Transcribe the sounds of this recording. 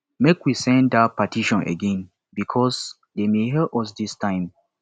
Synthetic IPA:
mekwisɛ̃ndapatʰiʃɔ̃nʔḛɡɛ̃n | bikʰɔs | demeɦɛʔɔs̬distʰãɪ̃m

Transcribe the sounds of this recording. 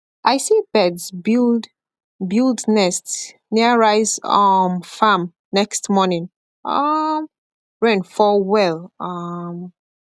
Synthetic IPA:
ʔaɪsib̥ɛdzbid | bildnɛst | niəɹaɪzʌmfãm | nɛkstmɔnĩŋ | ʌm | ɹɛ̃nfɔwɛlˠʌm

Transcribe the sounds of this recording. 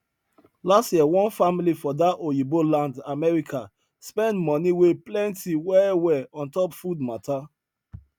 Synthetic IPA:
lastjiɛwɔ̃nfamilifɔdaojibolãndamɛɹika | spɛ̃ndmɔ̃niweplɛ̃ntiwɛwɛɔ̃ntɔpfud̚mata

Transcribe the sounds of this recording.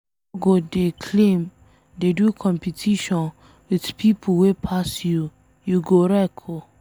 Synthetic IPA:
ɡodekʰlẽm | dedukʰɔ̃mpitʰiʃɔ̃n | widpʰipʰowepʰasju | juɡoɹɛkʰo

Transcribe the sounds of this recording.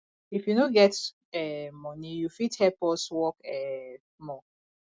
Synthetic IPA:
ifjunoɡɛt | ɛmɔnijufithɛlpɔswɔkɛ | mɔ

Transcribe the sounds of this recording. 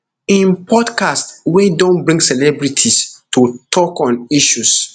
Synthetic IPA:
ĩnpʰɔdkastwɛdõnbɹĩŋɡsɛlɛbɹitʰistutʰɔkɔ̃niʃus

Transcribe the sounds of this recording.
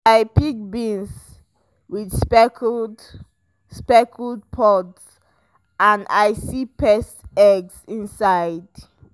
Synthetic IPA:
ajpik̚bĩns | widsp | spɛkʰuld̚pʰɔts | ãndajsipɛstɛɡsĩnsajd

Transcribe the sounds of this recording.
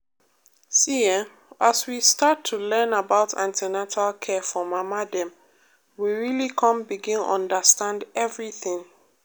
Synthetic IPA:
siɛ | aswistatʰːulɛ̃nabaʊtʰã̰ntɛnatalkʰɛfɔmamadɛ̃m | wiɹilikʰɔ̃mbiɡĩnɔ̰̃ndəstãndɛvɹiθɪ̃ŋ

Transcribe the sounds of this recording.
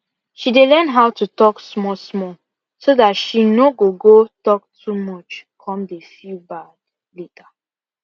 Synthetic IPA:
ʃidelɛnɦawtutɔksmɔsmɔ | sodatʃinoɡoɡotɔk̚tʰumɔt͡ʃkʰɔ̃mdefilbad̥ | letʰa

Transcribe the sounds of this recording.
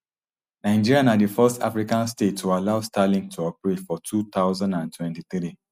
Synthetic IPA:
naɪd͡ʒiɹianadifɛsta̰fɾikãnstetːualaʊstalĩŋtʰuɔpɹetfɔtʰut̪aʊzãndãntʰwɛ̃ntiθɾi

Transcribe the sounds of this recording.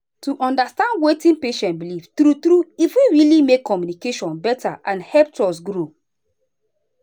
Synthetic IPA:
tuʔɔ̃ndastãndwetĩnpeʃɛ̃ntbiliftɾutɾuifwiɹilimekʰːɔmjunikeʃɔ̃nbɛta̰ʔãnhɛp̚tɔs̬ɡɾo

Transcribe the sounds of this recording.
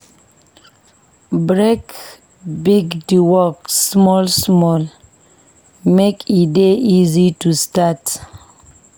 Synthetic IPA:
bɹek | biɡdiwɔksmɔlsmɔl | mekideʔizitustat

